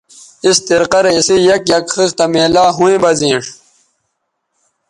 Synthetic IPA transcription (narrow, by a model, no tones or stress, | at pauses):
ist̪iɾqɐɾeisijɐkjɐkxist̪ɐmeːlaːɦũẽbɐzĩːʂ